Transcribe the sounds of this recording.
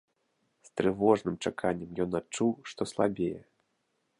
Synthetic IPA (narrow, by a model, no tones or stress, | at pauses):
st̪ɾɨvɔʐnɨmt͡ʂakʰanʲːɛmjɔnat͡ʂuwʂt̪ɔslˠabʲejɛ